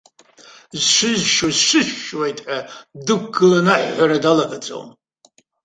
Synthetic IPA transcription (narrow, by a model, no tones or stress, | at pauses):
zʃʷɨzʃuzʃʷɨʃːwajtʼħadɨkʷɡɨlanaħʷːaɾadalaħt͡sʼo̰m